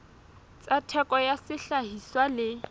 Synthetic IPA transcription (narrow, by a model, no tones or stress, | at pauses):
t͡sʼatʰɛkʼɔjasɪɬaɦiswalɪ